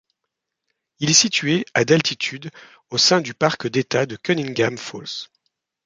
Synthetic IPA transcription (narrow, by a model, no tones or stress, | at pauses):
ilɛsit̪ɥead̪alt̪it̪ʰyd̪ | osɛ̃d̪ypaʁkd̪et̪ad̪əkɔnĩŋɡʲamfols